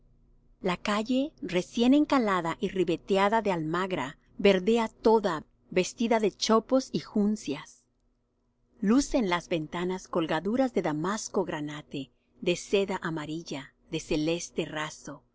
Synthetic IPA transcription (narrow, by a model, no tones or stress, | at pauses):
lakaʝere̞sje̞ne̞ŋkalaðaʔiriβe̞t̪eaðaðealmaɣɾa | βe̞ɾðe̞at̪o̞ða | be̞st̪iðaðe̞t͡ʃo̞po̞sixunsjas | luse̞nlazβe̞nt̪anasko̞lɣaðuɾazðe̞ðamasko̞ɣɾanat̪e | ðe̞se̞ðaʔamaɾiʝa | ðe̞se̞le̞st̪e̞raso̞